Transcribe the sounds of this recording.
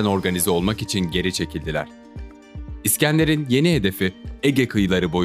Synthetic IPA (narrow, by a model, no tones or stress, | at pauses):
æno̞ɾɡanizɛo̞lˠmakit͡ʃʰinɟe̞ɾit͡ʃʰe̞cʰilʲd̪ilʲæ̰ɾ̥ | iscænlʲe̞ɾinje̞niɦe̞d̪e̞fieɟekʰɯjlˠaɾɯbo̞